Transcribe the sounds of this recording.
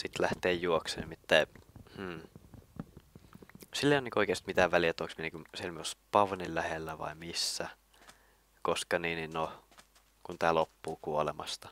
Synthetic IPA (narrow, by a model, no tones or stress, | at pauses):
sit̪læht̪eːjjuoksḛnimit̪ːæim̩ː | silːeioniːŋkoikeːˑst̪mit̪æːʋʋæliæet̪ːoŋksmieniŋkusielmyospɑʋnillæhelːæʋɑ̰imisːæ | koskɑniːninno | kunt̪æːlopːuːkuolemɑ̰st̪ɑ̥